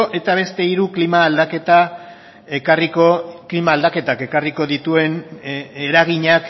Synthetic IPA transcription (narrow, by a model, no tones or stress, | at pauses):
oʔe̞t̪aβ̞e̞st̪e̞iɾuklimaːld̪ake̞t̪a | ekarikoklimaːld̪ake̞t̪ake̞kariko̞ðit̪ue̞ne̞ɾaɣiɲak